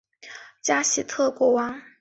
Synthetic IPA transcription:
t͡ɕja˥ɕi˨˩t̪ʰɤ˥˩kwɔ˥˩wɑ˥ŋ

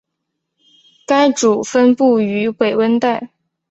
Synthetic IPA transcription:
ka˥ɪʈ͡ʂu˨˩fə˥npu˥˩y˧˥we˨˩ɪwə˥nt̪a˥˩ɪ

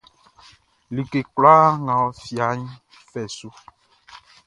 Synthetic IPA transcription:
li˨ke˨kla˦ŋã˨wɔ˨fi˨a˨ɲĩ˦ | fɛ˨su˦

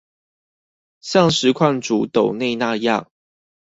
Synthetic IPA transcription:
ɕjɑ˥˨ŋʂɻ̩˨˧˦kʰwa˥˩nt͡su˨˦t̪o˨˩ʊne˥˧ɪna˥˧jɑ̰˥˨ŋ

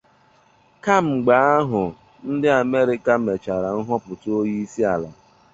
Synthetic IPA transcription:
ka˦m̩˨ɡ͡ba˨˦a˦ɦʊ˨ | n̩˦dɪ˦a˨me˦ɾɪ˨ka˦me˨t͡ʃa˨ɾa˨n̩˦ɦɔ˦pʊ˨to˦ji˦si˦a˨la̰˨

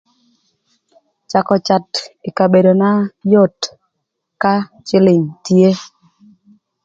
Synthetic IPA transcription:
t͡ʃa˨kɔ˨t͡ʃa˨tɪ˨ka˨be˨do˨na˦jo˦˨t | ka˦ | t͡ʃɪ˦lɪ˨ŋtje˦

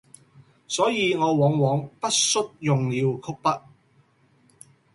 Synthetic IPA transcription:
sɔː˨˥jiː˧ŋɔː˨˧wɔː˨˥ŋwɔː˨˥ŋpɐ˥t̚sɵ˥t̚jʊ˨ŋliː˨˧wkʰʊ˥k̚pɐ˥t̚

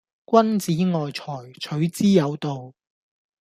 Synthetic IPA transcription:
kʷwɐ˥nt͡siː˨˥ŋɔː˨jt͡sʰɔː˨˩jt͡ʃʰɵ˨˥ɥt͡siː˥jɐ˨˧wt̪o˨w

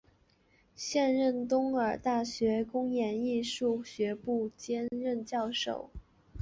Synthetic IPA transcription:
ɕjɛ˥˧nɻə˥˩nt̪ʊ˥ŋə˞˨˩t̪a˥˩ɕɥɛ˧˥kʊ˥ŋjɛ˧˥ni˥˧ʂu˥˩ɕɥɛ˧˥pu˥˩t͡ɕjɛ˥nɻə˥˧nt͡ɕjɑ˥˩ʊʂo̰˨˩˦ʊ

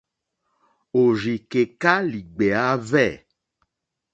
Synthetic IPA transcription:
o˨zi˨ke˨ka˦li˨ɡ͡be˨a˦vɛ˦˨

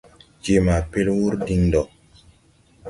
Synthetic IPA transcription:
d͡ʒe˨ma˨pe˦lwu˦ɾdi˧ŋdɔ˨

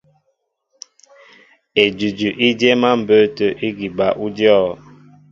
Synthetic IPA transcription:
e˨d͡ʒʉ˨d͡ʒʉ˨ʔi˦dje˦ma˦m̩˨bə˦tə˨ʔi˦ɡi˨ba˨ʔu˦djɔ˦˨

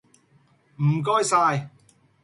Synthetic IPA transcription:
m̩˨˩k̬ɔː˥jsaː˧j

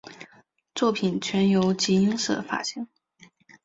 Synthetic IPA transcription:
t͡swɔ˥˩pʰi˨˩nt͡ɕʰɥɛ˧˥njo˧˥ʊt͡ɕi˧˥i˥ŋʂ̩˥˩d̪ə˦fa̰˨˩ɕi˧˥ŋ

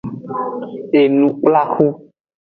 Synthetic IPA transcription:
e˨nũ˨k͡pla˦xu˦

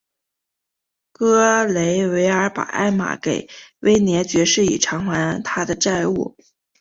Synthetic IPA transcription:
kɤ˥le˧˥ɪwe˧˥ɪə˞˧˥pa̰˨˩ʔa̰˥˩ɪma̰˨˩ke˨˩ɪwe˥ɪnjɛ˧˥t͡ɕɥɛ˧˥ʂɻ̩˥˩ḭ˨˩ʈ͡ʂʰɑ˧˥ŋxwa˧˥nt̪ʰa˥d̪ə˨ʈ͡ʂa˥˧ɪṵ˥˩

